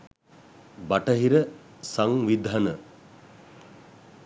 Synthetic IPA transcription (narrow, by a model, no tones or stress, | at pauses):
baʈəɦiɾəsaŋʋid̪ʱanə